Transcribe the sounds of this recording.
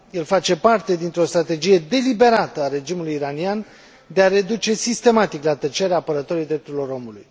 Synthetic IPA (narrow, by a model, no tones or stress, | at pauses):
je̞lfat͡ʃe̞part̪e̞d̪int̪ɾeo̞st̪ɾat̪e̞d͡ʒije̞d̪e̞libe̞ɾat̪əaɾe̞d͡ʒimulujiɾanian | d̪e̞aɾe̞d̪ut͡ʃe̞sist̪e̞mat̪iklat̪ət͡ʃeɾeaːpəɾət̪o̞ɾijd̪ɾep̚t̪uɾilo̞ɾo̞muluj